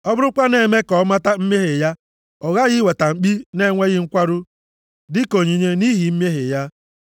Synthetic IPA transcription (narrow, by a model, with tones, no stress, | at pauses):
ɔ˦bʊ˦ɾʊ˦kʷa˦ne˨me˦kɔ˨˦ma˦ta˦m̩˦m˦e˦ɦe˨ja˦ | ɔ˨ɣa˦ɣɪ˦we˨ta˨ŋ͡m̩˨k͡pi˦ne˦˨ŋʷe˦ɣɪ˦ŋ̩˦kʷa˦ɾʊ˦ | dɪ˦ko˨ɲi˨ɲe˦ni˦ɦi˨˦m˦e˦ɦe˨ja˦